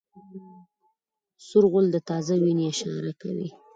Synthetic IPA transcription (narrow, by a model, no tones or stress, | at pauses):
sʊɾɣʊld̪ət̪ɑzawineɪʃɑ̰ɾaka̰wḭ